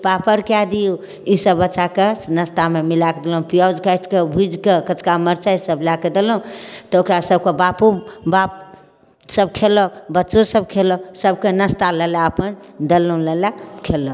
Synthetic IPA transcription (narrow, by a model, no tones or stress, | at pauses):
papəɾkjad̪iju | isəbːətːt͡ʃakenəst̪amemilaked̪elũpijawd͡ʒkəjʈʰkebʱud͡ʒkekət͡ʃkaməɾt͡ʃaisəblaked̪eloũt̪ɔokɾasəb̚kebapubap̚ | səbkʰeləbətːt͡ʃõsəb̚kʰeloksəb̚kenəst̪alɛlaəpənd̪elːəũlɛlakʰelɔ